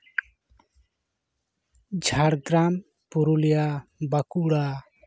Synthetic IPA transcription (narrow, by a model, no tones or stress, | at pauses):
d͡ʒʱaɽɡɾam | puɾulijabakuɽa